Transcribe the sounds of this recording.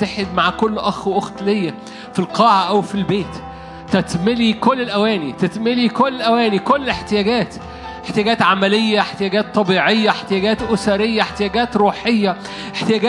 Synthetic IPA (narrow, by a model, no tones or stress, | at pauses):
t̪eħed̪maʕkolːʔɑxʔoxt̪lejːæ | filqɑːʕaʔæwfilbeːt̪ː | æt̪melikolːelʔæwæːnit̪et̪melikolːelʔæwæːnikolːeħt̪ejæːɡæːt̪ | ʔeħt̪ejæɡæːt̪ʕamælejːæeħt̪ejæːɡæːt̪ˤːɑbiːʕejːæeħt̪ejæːɡæːt̪ʔosæɾejːæeħt̪ejæːɡæːt̪ɾuːħejːæ | ʔeħt̪ejæːɡæː